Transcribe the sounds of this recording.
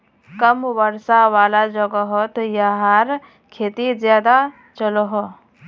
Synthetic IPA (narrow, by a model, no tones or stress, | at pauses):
kɐmʋəɾsaʋaːlad͡ʒɔɡəɦot̪jaɦaːɾ | kʰeːt̪izjaːd̪a | t͡ʃəloɦo